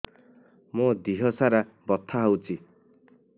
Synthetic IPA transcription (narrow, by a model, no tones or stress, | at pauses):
mod̪iɦɔsaɾa | bɔt̪ʰːaɦowt͡ʃi